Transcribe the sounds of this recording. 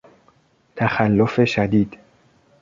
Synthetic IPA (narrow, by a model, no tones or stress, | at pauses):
t̪ʰæxælːofeʃæd̪iːd̪̥